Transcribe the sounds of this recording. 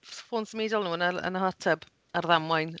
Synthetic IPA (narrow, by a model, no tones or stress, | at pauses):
foːnsəmeːdɔlˠnuːənəə̰nəɦatʰɛb | arðamwajn